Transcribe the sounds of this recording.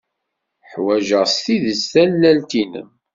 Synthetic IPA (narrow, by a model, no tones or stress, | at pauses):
ħwæʒəʁst̪iðəsθælːælt̪inə̰m